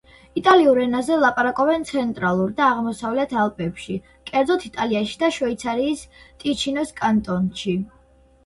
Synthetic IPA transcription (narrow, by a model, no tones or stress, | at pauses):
it̪ʼaliuɾɛnazɛvlˠapʼaɾakʼɔbɛnt̪sʰɛnt̪ʼɾalˠuɾd̪aːʁmɔsavlɛt̪ʰalˠpʼɛpʃi | kʼɛɾd̪zɔt̪ʰit̪ʼaliaʃid̪aʃɔit̪sʰaɾiːst̪ʼit͡ʃʰinɔskʼant̪ʼɔnʃi